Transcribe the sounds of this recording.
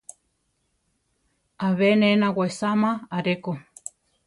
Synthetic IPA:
aβɛnɛnaɣwaisamaaɾɛkɔ

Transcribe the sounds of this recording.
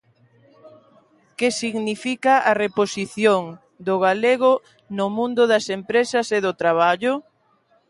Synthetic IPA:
kesiɣnifikaʔareposiθjoŋ | d̪ʊɣaleɣʊ | nʊmũnd̪ʊðɐsempɾesɐseðʊt̪ɾaβ̞aʎʊ

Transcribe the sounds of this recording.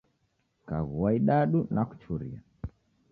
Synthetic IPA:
kaɣuwaiɗaɗunaku̥t͡ʃuɾḭa̰

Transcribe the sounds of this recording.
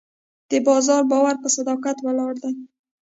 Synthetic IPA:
d̪̥əbɑzɑɾbɑwaɾpəsad̪ɑqat̪wəlɑɾd̪a

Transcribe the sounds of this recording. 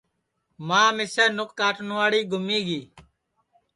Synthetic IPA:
mãːmɪsəːnʊkkːaːʈnʋaːɽiːɡʱʊmiːɡiː

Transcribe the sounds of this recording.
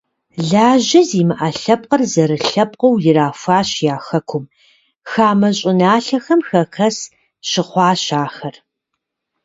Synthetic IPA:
ɮaːʑɐziːmɨʔɐɬɐp̚ʼqɐrzɐɾɨɬɐp̚ʼqɐwjɪɾaːfʷaːɕjaːxɐkʷʰʊm | xaːmɐɕʼɪnaːɬɐxɐmxɐkʰɐs | ɕɪχʷɑːɕaːxɐr

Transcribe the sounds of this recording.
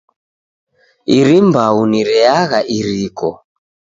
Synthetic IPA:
iɾimbauniɾɛaɣaʔiɾikɔ

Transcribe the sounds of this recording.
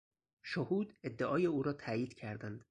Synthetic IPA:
ʃohuːd̪ed̪ːeʔɒːjeuːɾɒːt̪ʰæːjiːd̪cʰæɾd̪ænd̪̥

